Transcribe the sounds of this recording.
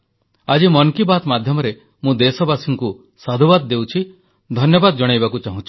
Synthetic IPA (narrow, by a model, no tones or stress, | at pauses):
ad͡ʒimɔŋkibat̪mad̪ʱjɔmɔɾe | mũd̪esɔbasiŋku | sad̪ʱubad̪ːewt͡ʃʰi | d̪ʱɔnjɔbad̪ɔd͡ʒɔɽ̃ajbakut͡ʃaɦũt͡ʃʰi̥